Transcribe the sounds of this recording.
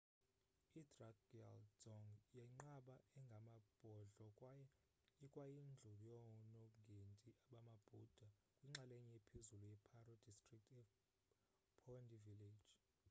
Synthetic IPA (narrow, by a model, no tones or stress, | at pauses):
idraɡia̰lz̥ɔŋjɛŋ͡ǃaɓaɛŋɡʱamab̥ʱɔɮɔkʼ | kʼwajind͡ɮʱuljɔŋɔnoŋɡʱentʼiaɓamab̥ʱud̥ʱa | kʼwiŋ͡ǁalɛɲɛipʰezulujɛpʰarɔd̥ʱistʼrik̚tʰɛ | pʰɔndʼiviled̥ʒ̥